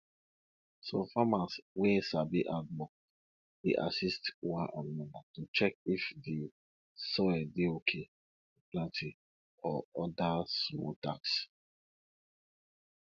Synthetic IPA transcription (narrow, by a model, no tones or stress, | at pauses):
sɔfamaswɛ̃sabiʔadbɔk̚ | deʔa̰sistwãnʔãɔ̃natut͡ʃɛk̚ifði | sɔɛdeokʰe | plãnti | ɔɔdasmɔ̰ta̰ks